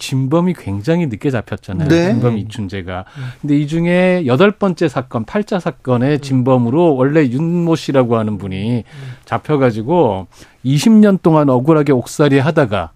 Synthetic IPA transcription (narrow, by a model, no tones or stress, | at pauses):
t͡ɕimbʌmikwe̞ŋd͡ʑaŋinɯk͈e̞d͡ʑapʰjʌt̚t͡ɕ͈anajooimbʌmiit͡ɕʰund͡ʑe̞ɡakʰɯnde̞id͡ʑuŋe̞jʌdʌɭp͈ʌnt͡ɕ͈e̞sʰak͈ʌnpʰaɭt͡ɕ͈asʰak͈ʌne̞t͡ɕimbʌmɯɾowʌɭːe̞junmoɕ͈ʰiɾaɡoɦanɯnbuɲit͡ɕapʰjʌɡad͡ʑiɡo | iɕʰimɲʌnt͈oŋanʌɡuɾɦaɡe̞ok̚s͈aɾieɦadaɡa̰